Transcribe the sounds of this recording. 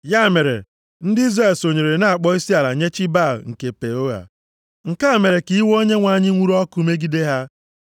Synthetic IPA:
ja˦˨me˨ɾḛ˨ | n̩˦dɪ˦i˦zra˦˨lso˨ɲe˨ɾe˨na˦˨a˨k͡pɔ˦i˦si˦a˨la˨ɲe˦t͡ʃi˦ba˦˨lŋ̩˨ke˨pe˨o˦ɣa̰˨ | ŋ̩˨ka˦˨me˨ɾe˨ki˦i˦wo˦ɲe˦ŋʷa˨˦˨ɲɪ˦ŋʷu˦ɾɔ˦kʊ˦me˦ɡi˦de˦ɦa˦

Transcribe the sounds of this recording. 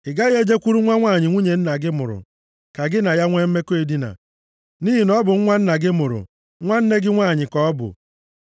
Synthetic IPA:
ɪ˨ɡa˦ɣe˦d͡ʒe˦kʷu˦ɾu˦ŋʷa˦ŋʷaː˦˨ɲɪ˨ŋʷu˦ɲe˨n̩˦na˨ɡɪ˦mʊ̰˨ɾʊ̰˨ | ka˨ɡɪ˦na˨ja˦ŋʷe˦m̩˦me˦ke˨di˦na̰˨ | ni˦ɦi˨nɔ˦bʊ˨ŋ̩˦ŋʷa˦n̩˦na˨ɡɪ˦mʊ˨ɾʊ̰˨ | ŋʷa˦n̩˦ne˦ɡɪ˦ŋʷaː˦˨ɲɪ˨kɔ˦ɔ˦bʊ̰˨

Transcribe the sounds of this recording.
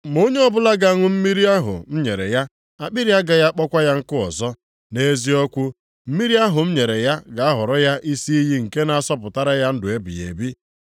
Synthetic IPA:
mo˦ɲe˦ɔ˦bʊ˦la˦ɡa˨ŋʷʊ˦m̩˦mi˦ɾi˦a˦ɦʊ̰˨m̩˦ɲe˨ɾḛ˨ja˦ | a˨k͡pɪ˦ɾja˦ɡa˨ja˦k͡pɔ˦kʷa˦ja˦ŋ̩˦kʊ˦ɔ̰˨zɔ˦ | ne˦zi˦ɔ˦kʷu˦ | m̩˦mi˦ɾi˦a˦ɦʊ˨m̩˦ɲe˨ɾe˨ja˦ɡa˨a˦ɦʊ˨ɾɔ˦ja˦ʔi˦si˦i˦ɦi˦ŋ̩˨ke˦na˨a˨sɔ˦pʊ˨ta˦ɾa˦ja˦n̩˦dʊ˨e˦bḭ˨jḛ˨bi˦

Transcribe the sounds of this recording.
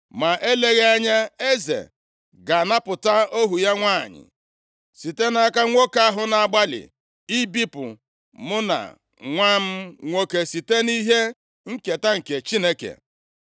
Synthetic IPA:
ma˨ʔe˦le˦ɣe˦a˦ɲa˦e˦zḛ˨ | ɡa˨na˦pʊ˨ta˦o˦ɦu˨ja˦ŋʷaː˦˨ɲɪ̰˨ | si˨te˦na˦ka˦ŋʷo˦ka˦ɦʊ˨na˨a˨ɡ͡ba˦lɪ̰˨ | i˦bi˦pʊ̰˨ | mʊ˦na̰˨ | ŋʷa˦m̩˦ŋʷo˦ke˨si˨te˦ni˦ɦe˦ | ŋ̩˦ke˨ta˦ŋ̩˨ke˨t͡ʃi˦ne˦kḛ˨

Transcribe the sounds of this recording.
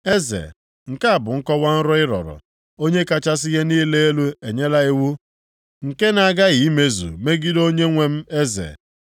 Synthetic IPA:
e˦zḛ˨ | ŋ̩˨ka˦a˨bʊ˨ŋ̩˦kɔ˦wa˦n̩˦ɾʊ˦ɪ˦ɾɔ̰˨ɾʊ̰˨ | o˦ɲe˦ka˦t͡ʃa˦s̬ɪ˦ɣe˦niː˦le˦e˦lu˦e˨ɲe˦la˦ɪ˦wu˦ | ŋ̩˨ke˦na˨ɡa˦ɣi˨i˦me˦zṵ˨me˦ɡi˦do˦ɲe˦ŋʷe˦m̩˦e˦zḛ˨

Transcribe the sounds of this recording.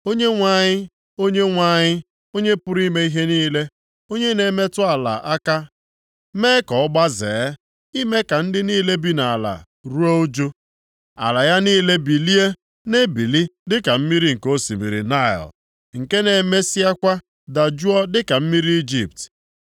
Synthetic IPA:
o˦ɲe˦ŋʷa˦˨ɲɪ˦ | o˦ɲe˦ŋʷa˦˨ɲɪ˦ | o˦ɲe˦pʊ˦ɾi˦me˦i˦ɦe˦niː˦le˦ | o˦ɲe˦ne˨˦me˦tʊ˦a˨la̰˨ʔa˦ka˦ | me˦kɔ˨ɔ˦ɡ͡ba˦zḛː˨˦ | i˦me˦ka˨n̩˦dɪ˦niː˦le˦bi˦na˨la̰˨ | ɾu˦o˦o˦d͡ʒo˦ | a̰˨la˨ja˦niː˦le˦bi˨li˦e˦ | ne˦bi˨li˦dɪ˦ka˨m̩˦mi˦ɾi˦ŋ̩˨ko˦si˨mḭ˨ɾḭ˨na˦˨ɔ̰˨l | ŋ̩˨ke˦ne˨me˦si˦a˦kʷa˦ | da˨d͡ʒu˦ɔ˦dɪ˦ka˨m̩˦mi˦ɾi˦i˦d͡ʒḭ˦˨p̚t

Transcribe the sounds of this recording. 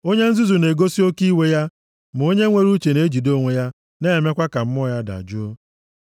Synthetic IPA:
o˦ɲe˦n̩˦zu˦zu˨ne˨ɡo˦si˦o˦ki˦we˦ja˦ | m̩˨o˦ɲe˦ŋʷe˦ɾu˦t͡ʃe˨ne˦e˦d͡ʒi˨do˦˨ŋʷe˨˦ja˦ | ne˦e˨me˦kʷa˦ka˨m̩˦mɔ˦˨ja˦da̰˨d͡ʒʊ˦o˦

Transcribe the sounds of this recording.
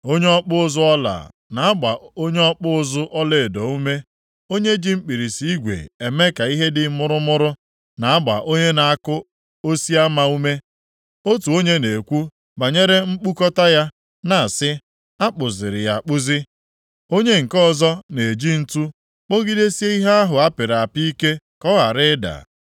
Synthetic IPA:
o˦ɲe˦ɔ˦k͡pʊ˦ʊ˦zʊ˦ɔ˦la̰˨ | na˨a˦ɡ͡ba̰˨o˦ɲe˦ɔ˦k͡pʊ˦ʊ˦zʊ˦ʔɔ˦le˦˨dɔ˨˦u˦me˦ | o˦ɲe˦d͡ʒi˦m̩˦k͡pi˨ɾi˨si˨˦i˦ɡʷḛ˨e˨me˦ka˨i˦ɦe˦dɪ˨˦mʊ˦ɾʊ˦mʊ˦ɾʊ˦ | na˨a˦ɡ͡ba̰˨ʔo˦ɲe˦na˨a˦kʊ˦ | o˦si˦a˦ma˦u˦me˦ | o˦tu˨o˦ɲe˦ne˨kʷu˦ | ba˨ɲe˦ɾe˦ŋ͡m̩˦k͡pu˦kɔ˦ta˦ja˦ | na˨a˨sɪ˦ | a˦k͡pʊ˨zɪ˨ɾɪ˨ja˨k͡pʊ˦zɪ˦ | o˦ɲe˦ŋ̩˨kɔ˦zɔ˦ne˨d͡ʒi˦n̩˦tu˦ | k͡po˦ɡi˦de˦si˦e˦i˦ɦa˦a˦ɦʊ˨a˦pɪ˨ɾa˨a˨pi˦i˦ke˦ | kɔ˦ɦa˨ɾɪ˦da̰˨

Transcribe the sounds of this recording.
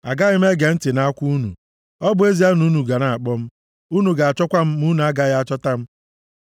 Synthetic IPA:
a˨ɡa˦ɣɪ˦m̩˦e˦ɡe˨n̩˦tɪ˨na˦kʷu˦u˦nṵ˨ | ɔ˦bʊ˦e˦zi˦a˦nu˦nu˨ɡa˨na˨a˨k͡pɔ˦m̩˦ | u˦nu˨ɡa˨a˨t͡ʃɔ˦kʷa˦m̩˦mu˦n˨a˦ɡa˦ɣa˦t͡ʃɔ˦ta˦m̩˦

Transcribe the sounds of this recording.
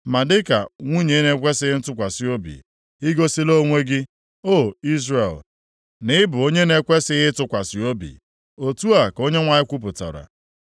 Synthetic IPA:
ma˨dɪ˦ka̰˨ŋʷu˦ɲe˨˦ne˨kʷe˦sɪ˦ɪ˦tʊ˦kʷa˨si˦o˦bḭ˨ | i˦ɡo˦si˦lo˦ŋʷe˦ɡɪ˦ | o˦˨i˦zre˨l | nɪ˦bʊ˨o˦ɲe˦ne˨kʷe˦sɪ˦ɣɪ˦tʊ˦kʷa˨si˨o˦bḭ˨ | o˨tu˦a˨ko˦ɲe˦ŋʷa˨ɲɪ˦kʷu˦p̬ʊ˨ta̰˨ɾa̰˨

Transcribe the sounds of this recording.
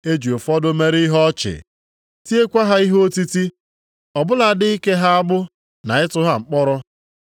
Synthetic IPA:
e˦d͡ʒu˨o˨fɔ˦dʊ˦me˦ɾi˦ɦɔ˦t͡ʃɪ̰˨ | ti˦e˦kʷa˦ɦa˦i˦ɦo˦ti˦ti˦ | ɔ˨bʊ˦la˨dɪ˦i˦ke˦ɦa˦a˦bʊ˦ | na˨ɪ˦tʊ˦ɦa˦ŋ͡m̩˨k͡pɔ˦ɾɔ˦

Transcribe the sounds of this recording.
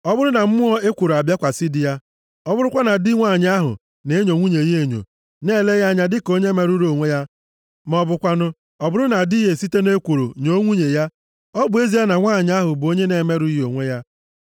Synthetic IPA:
ɔ˦bʊ˦ɾʊ˦na˨m̩˦mʊ˦ɔ˦e˦kʷu˨ɾo˨a˨bja˦kʷa˨si˦di˨ja˦ | ɔ˦bʊ˦ɾʊ˦kʷa˦na˨dɪ˦ŋʷa˦˨ɲ˦a˦ɦʊ̰˨ | ne˨e˦ɲo˨ŋʷu˦ɲe˨˦e˦˨ɲo̰˨ | ne˦˨le˦ja˦ɲa˦dɪ˦ko˦ɲe˦me˨ɾu˦ɾo˨ŋʷe˦ja˦ | mɔ˨bʊ˨kʷa˦nʊ˦ | ɔ˨bʊ˦ɾʊ˦na˨di˦ɦe˨si˦te˦ne˦kʷu˨ɾo̰˨ɲo˦ŋʷu˦ɲe˨ja˦ | ɔ˦bʊ˨e˦zi˦a˦na˨ŋʷa˦˨ɲ˦a˦ɦʊ˨bo˦ɲe˦ne˨me˦ɾu˦i˦ɦo˨ŋʷe˦ja˦

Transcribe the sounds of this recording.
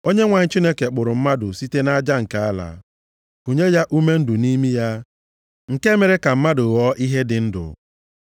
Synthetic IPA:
o˦ɲe˦ŋʷa˨ɲ̩˨˦t͡ʃi˦ne˦ke˨k͡pʊ˨ɾʊ˨m̩˦ma˦dʊ˨si˦te˦na˦d͡ʒa˦ŋ̩˨ka˦a˦la̰˨ | u˨ɲe˦ja˦ʔu˦me˦n̩˦dʊ˨ni˦mi˦ja˦ | ŋ̩˨ke˦me˨ɾe˦ka˨m̩˦ma˦dʊ˨ɣɔ˦ʔi˦ɦe˦dɪ˨n̩˦dʊ̰˨

